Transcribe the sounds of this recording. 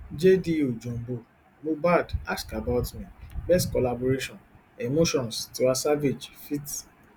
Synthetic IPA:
d͡ʒediod͡ʒõm̩bo | mobadaskabatmɛ̃bɛstkɔlaboɾeʃɔ̃n | emoʃɔ̃nstuasaved͡ʒfit

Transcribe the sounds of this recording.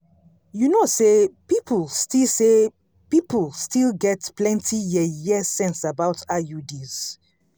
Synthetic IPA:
junosepipʰəlˠstilse | pipəlstilˠɡɛtplɛ̃ntʰijɛjɛsɛ̃nsabawtʰajudiz̥

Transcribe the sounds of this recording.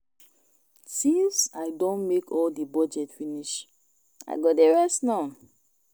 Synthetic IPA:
tivsaɪdõnmekʰɔldibɔd͡ʒɛtfiniʃ | a̰ɪɡɔdeɹɛstnaʊn

